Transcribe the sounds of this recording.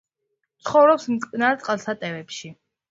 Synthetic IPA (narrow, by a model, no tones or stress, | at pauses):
t̪sʰχɔvɾɔpsmt̪ʼkʼnaɾt̪sʼqʼalˠsʰat̪ʼɛvɛpʃi